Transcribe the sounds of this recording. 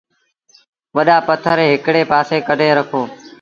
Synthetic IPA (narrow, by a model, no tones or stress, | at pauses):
ʋəɗaːpət̪ʰəɾeːɦɪkɽeːpaːseːkəɖʱeːɾəkʰoː